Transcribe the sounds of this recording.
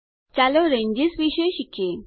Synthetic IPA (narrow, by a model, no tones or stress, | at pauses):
t͡ɕaloɾẽɲd͡ʑisʋiɕəjɕikʰje